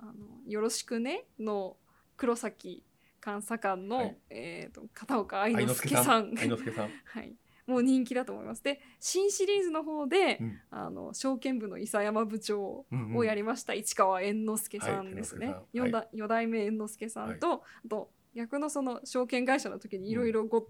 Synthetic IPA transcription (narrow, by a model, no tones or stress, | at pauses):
ano̞̰jo̞ɾo̞ɕi̥kɯ̟ne̞no̞ | kɯ̟ɾo̞sakʲi | kãɰ̃sakãnːo̞et̪o̞̰kat̪aokaːinosɨ̥kesãŋkha̰ḭ | mo̞ːɲ̟ĩŋkʲid̪at̪oːmo̰ḭmasɨd̪e̞ɕĩɰ̃ɕiɾʲiːzɨno̞ɦo̞ːd̪e̞a̰no̰ɕo̞ːkẽ̞mbɯ̟no̰isajamabɯ̟t͡ɕo̞ːojaɾʲimaɕi̥t̪ait͡ɕi̥kaβaẽ̞nːo̞sɨ̥ke̞sãnd̪e̞sɨne̞jojod̪aimẽ̞ːnːosɨ̥ke̞sã̰nt̪o̞at̪o̞ | ɡʲakɯ̟no̞so̞no̞ɕo̞ːkẽ̞ŋɡaiɕanot̪o̞kʲiɲ̟iːɾo̞iɾo̞ɡo